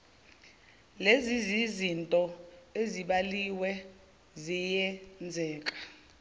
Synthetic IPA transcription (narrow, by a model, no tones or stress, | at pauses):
lezizizintʼɔeziɓaliwɛ | zijɛnd͡zʱɛːk̬ʼḁ